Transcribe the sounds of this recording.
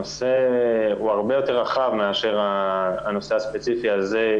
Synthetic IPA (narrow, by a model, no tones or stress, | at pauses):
ose̞uaʁbe̞jo̞t̪e̞ʁaχavmeaʃe̞ʁaːno̞se̞aspe̞t͡sifiaze̞